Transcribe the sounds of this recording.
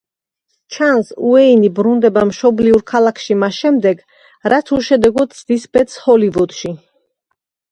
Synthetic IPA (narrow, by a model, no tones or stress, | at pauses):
t͡ʃʰansuɛinibɾund̪ɛbamʃɔbliuɾkʰalakʰʃimasʃɛmd̪ɛɡ | ɾat̪ʰuʃɛd̪ɛɡɔt̪sʰd̪isbɛt̪shɔlivɔd̪̥ʃi